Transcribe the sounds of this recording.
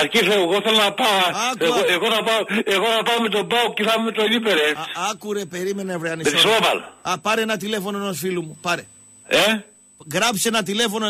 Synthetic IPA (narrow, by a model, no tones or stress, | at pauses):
ɐɾciθeoɣoθelonɐpaɐkeuɣoeɣonɐpaoeɣonɐpaomet̪obawkeθɐmemet̪oenipeɾeɐkuɾepe̞ɾimenevɾeɐnisesobɐ̰lɐpɐɾeenɐt̪ilefo̞noenosfilumupɐɾe | e | ɣɾɐpsenɐt̪ile̞fo̞no